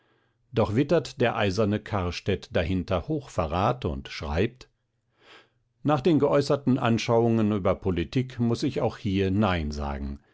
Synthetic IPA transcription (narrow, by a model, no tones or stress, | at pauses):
d̥ɔχv̥ɪtɐtd̥eːɐʔaɪzɐnəkʰaɐʃtɛtd̥ahɪntɐhoːxfɛʁaːtʊ̰ntʃʁ̥a̰ɪp̚t | naːχd̥eːnɡəʔɔʏsɐtn̩ʔa̰nʃaʊʊŋənyːbɐpʰolitʰiːkmʊsɪçaʊxhiːɐnaɪnza̰ːɡŋ̩